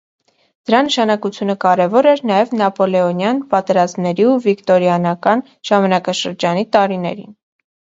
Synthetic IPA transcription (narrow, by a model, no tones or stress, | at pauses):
d̪̥əɾɑnəʃɑnɑkut͡sʰjunəkɑɾɛvɔɾɛɾnɑjɛvnɑpɔlɛɔnjɑnpɑt̪ɛɾɑzmnɛɾiuvikt̪ɔɾjɑnɑkɑn | ʒ̥ɑmɑnɑkɑʃəɾd͡ʒɑnit̪ɑɾinɛ̰ɾḭn